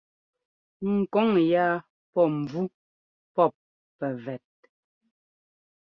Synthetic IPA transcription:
ŋ̩˨kɔ˦ŋja˦ | pɔ˦˨m˨b͡vu˦ | pɔ˦˨p̚ː | ɛ˨vɛ˨t̚

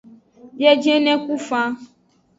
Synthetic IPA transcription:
jɛ˦d͡ʒɛ̃˦nɛ̃˦ku˦fã˦

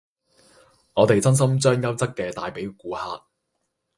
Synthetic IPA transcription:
ŋɔː˨˧t̪e˨jt͡sɐ˥ns̬ɐ˥mt͡ʃœː˥ŋjɐ˥wt͡sɐ˥kːɛː˧t̪aː˨jpe˨˥jkuː˨˥ha̰ː˧t̚

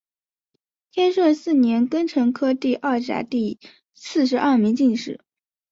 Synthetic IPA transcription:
t̪ʰjɛ˥nʂwə˥˩sɹ̩˥˩njɛ˧˥nkə˥nʈ͡ʂʰɤ˧˥ŋkʰɤ˥t̪i˥˧ʔɐ˥˩ʈ͡ʂa̰˧˥t̪i˥˧ | sɹ̩˥˩ʂɻ̩˧˥ʔɐ˥˩mi˧˥ŋt͡ɕi˥˧ŋʂɻ̩˥˩˦

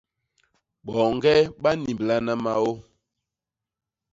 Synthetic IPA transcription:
ɓɔ˨ŋ˦ɡɛ˦ɓa˦ni˨mbla˦na˦ma˦o˦

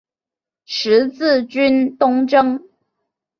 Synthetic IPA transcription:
ʂɻ̩˧˥t͡sɹ̩˥˨˩t͡ɕy˥nt̪ʊ˥ŋʈ͡ʂɤ˥ŋ

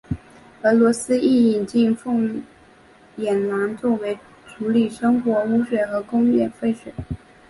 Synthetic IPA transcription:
ɤ˧˥lwɔ˧˥sɹ̩˥i˥˩i˨˩ŋt͡ɕi˥˧ŋfʊ˥˩ŋ | jɛ˨˩nla˧˥nt͡sɔ˥˩we˧˥ɪ | ʈ͡ʂʰu˧˥li˨˩ʂɤ˥ŋxwɔ˧˥u˧˥ʂwɛ˨˩ɪxɤ˧˥kʊ˥ŋjɛ˥˧nfe˥˩ɪʂwe˨˩˦ɪ

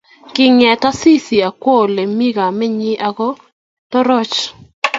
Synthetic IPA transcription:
kɪ˨ŋɛ˨ta˦si˦si˨a˨kwo˦˨le˨mi˦ɡa˨mɛ˦ɲɪ˦ʔa˨ɡɔ˦ | tɔ˦ɾɔ˦t͡ʃ

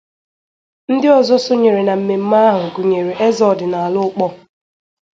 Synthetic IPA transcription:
n̩˦dɪ˦ɔ˨zɔ˦so˦ɲe˨ɾe˨na˨m̩˨me˨m̩˦ma˦a˦ɦʊ˨ɡu˨ɲe˨ɾe˨ʔe˦zɔ˨dɪ˨na˨a˨lʊ˦k͡pɔ˦

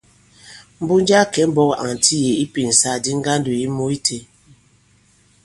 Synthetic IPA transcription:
m̩˦bu˦n˦d͡ʒa˦˨kɛ˨˦m̩˦bɔ˦ka̰˨ŋ˨tʰi˦je˨i˦pi˨n̩˨sa˦˨di˦ŋ̩˦ɡa˦n̩˦du˨i˦mu˦i˦tʰe˨

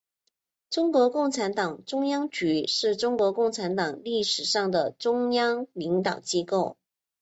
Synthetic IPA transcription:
ʈ͡ʂʊ˥ŋkwɔ˧˥kʊ˥˩ŋʈ͡ʂʰa˧˥nt̪ɑ˨˩ŋʈ͡ʂʊ˥ŋjɑ˥ŋt͡ɕy˧˥ʂɻ̩˥˩ʈ͡ʂʊ˥ŋkwɔ˧˥kʊ˥˩ŋʈ͡ʂʰa˧˥nt̪ɑ˨˩ŋli˥˩ʂɻ̩˨˩ʂɑ˥˩ŋd̪ə˩ʈ͡ʂʊ˥ŋjɑ˥ŋli˧˥ŋt̪ɑ˨˩ʊt͡ɕi˥ko˥˩ʊ

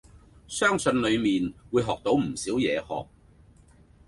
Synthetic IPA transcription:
sœː˥ŋsɵ˧nlɵ˨˧ɥmiː˨nwuː˨˧jɦɔː˨k̚t̪o˨˥wm̩˨˩siː˨˥wjɛː˨˧hɔ̰ː˨k̚

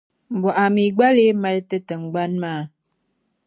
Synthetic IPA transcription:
m̩˨bɔ˨ʔa˨mi˨ɡ͡ba˦le˦mə˦ltə˦tə˨ŋ̩˨ɡ͡ba˦nmaː˦˨

